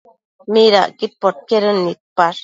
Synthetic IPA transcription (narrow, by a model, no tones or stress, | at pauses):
miɾa̰ʔkit̪̚pot̪̚keɾɯnːit̪̚paɾ